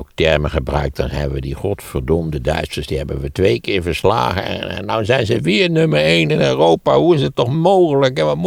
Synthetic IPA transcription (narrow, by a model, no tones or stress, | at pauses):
ok̚tɛɹməχəbrœ̰ɥk̚dɑnɦɛ̰bənʋədiχɔtfəɹdomdədœ̰ɥstəɹsdiɦɛbənʋətʋejkɪːɹvəɹsla̰ːɣəɛ̰ndawnzɛjnzəʋɪːɹnøməɹejnɪnøːrowpaɦuɪs̬əttːɔχmowχələkɦɛʋɑm